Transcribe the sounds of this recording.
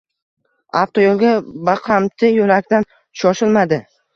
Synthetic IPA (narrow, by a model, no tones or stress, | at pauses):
aft̪ʰojolˠɡʲabaqʰamt̪ʰɪjʊlakʲt̪an | ʃɒʃɪlmad̪ɪ